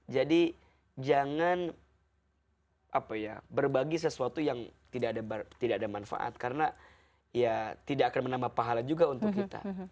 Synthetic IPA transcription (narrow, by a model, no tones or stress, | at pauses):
d͡ʒadi | d͡ʒaŋan | ʔapajabərbaɡis̬əsuat̪ujaŋt̪idaːdabt̪idaʔadamanfa̰ʔa̰t̪̚kaɾəna | jat̪idaʔakanmənamapaɦalad͡ʒuɡaunt̪ʊkkːit̪a̰